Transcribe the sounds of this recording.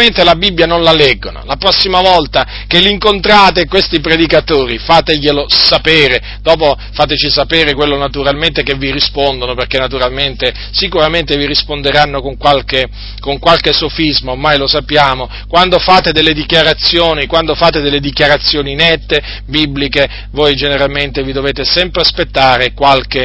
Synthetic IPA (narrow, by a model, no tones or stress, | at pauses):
ent̪elabibːjanõnlalɛɡːono̰lapɾɔsːimavɔlt̪a | kelːiŋkont̪ɾaːt̪ekːwest̪ipɾed̪ikat̪oːɾifaːt̪ejelosapeːɾe | d̪̥ɔːp̬o | faːt̪et͡ʃisapeːɾekwelːonat̪uɾalment̪ekevːiɾispond̪onoperkenːat̪uɾalment̪e | sikuɾament̪eviɾispond̪eɾanːokoŋkwalke | koŋkwalkesofizmoːmːajlosapːjaːmo | kwand̪ofaːt̪ed̪elːed̪ikjaɾat̪sːjoːnikwand̪ofaːt̪ed̪elːed̪ikjaɾat̪sːjoːninɛt̪ːe | biblike | vojd͡ʒeneɾalment̪evid̪oveːt̪esɛmpɾeaspet̪ːaːɾekwalke